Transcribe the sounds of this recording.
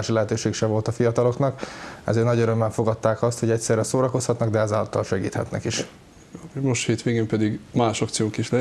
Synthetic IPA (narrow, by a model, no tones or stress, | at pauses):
aːʃilɛɦɛt̪øːʃeːkʃɛvo̞lt̪ɒfijɒt̪ɒlo̞knɒkɛ̰zeːnɒɟøɾømːɛɱfo̞ɡɒt̪ːaːkɒst̪ho̞ɟɛcsɛrɾːɛsoːɾɒko̞shɒt̪nɒɡd̪ɛɛzɛlɒt̪ːɒlʃɛɡḭːt̪hɛ̰t̪nɛ̰kiʃ | moʃt̪heːt̪ʋeːɡeːmpɛd̪iɡmaːʃɒkt̪sijoːŋkiʃlɛ